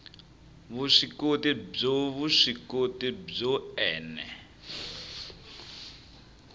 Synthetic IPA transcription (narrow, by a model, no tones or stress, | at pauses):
βuʂikotib͡ʐoβuʂikotib͡ʐɔɛːnɛ̰